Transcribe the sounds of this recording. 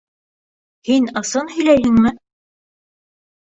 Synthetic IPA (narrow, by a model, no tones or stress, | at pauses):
hinɤ̆sɤnhɵ̆jlæjɦɘŋmɘ